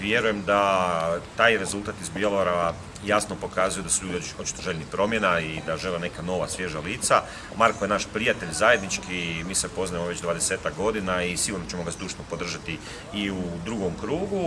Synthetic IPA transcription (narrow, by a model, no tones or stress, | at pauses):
ʋje̞ɾuje̞md̪at̪aːjɾe̞zulˠt̪aːt̪izbjoloɾa | jasno̞po̞kaːzujed̪asu̥ʎuːd̪io̞t̪t͡ʃi̥t̪oʒe̞ʎnipɾo̞mjenaid̪aʒelene̞kano̞ʋasʋje̞ʒaliːt̪sa | maɾkojenaʃpɾijat̪e̞ʎzaje̞d̪nit͡ʃkimiːsepo̞znajemoʋe̞t͡ɕd̪ʋaːd̪eseːt̪akɡo̞d̪inaisiɡuɾnot͡ɕemo̞ɡazd̪uːʃnopo̞d̪r̩ʒat̪i | iud̪ɾuɡo̞mkɾuːɡu